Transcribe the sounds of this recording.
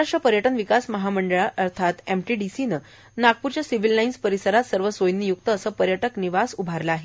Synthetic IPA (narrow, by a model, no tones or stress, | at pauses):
aʂʈɾəpəɾjəʈənʋikasməɦaməɳɖəɭaʔəɾt̪ʰat̪emʈiɖisinə | naɡ̚puɾt͡ɕjasiʋilnainspəɾisəɾat̪səɾʋəsʋojnːijuk̚t̪əːsəːpəɾjəʈəkniʋasubʱaɾləaɦe